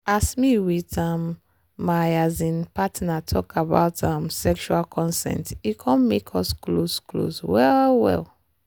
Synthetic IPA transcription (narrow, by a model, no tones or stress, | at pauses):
asmiwitãmː | ajazĩnpatnatʰɔkaba̰ʊtʰãmsɛkʃualkʰɔ̃nsɛ̰̃ntikʰɔ̃nmekʰɔsklosklo̰swɛlwɛ̰l